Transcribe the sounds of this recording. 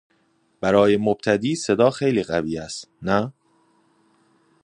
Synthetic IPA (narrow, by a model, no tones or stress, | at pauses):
b̥æɾɒːje̞mob̚t̪ʰæd̪iːse̞d̪ɒːxejliːɣæviːæst̪næ